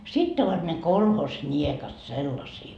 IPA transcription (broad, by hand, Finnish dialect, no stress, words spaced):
sitː oʋɑt ne kolhosnʲiekɑt selːɑsiː